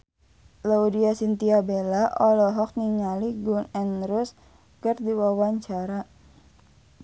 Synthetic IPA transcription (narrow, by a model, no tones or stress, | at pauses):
laudiasint̪iabelaʔɔlɔɦɔk̚niɲaliɡunɛnɾʊs | kərdiwawaɲt͡ʃaɾa